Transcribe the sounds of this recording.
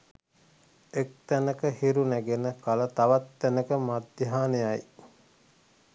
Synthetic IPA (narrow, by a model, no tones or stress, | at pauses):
ek̚t̪ænəkəhiɾunæɡenəkalət̪aʋat̪ːænəkəmad̪jaɦaːnejaj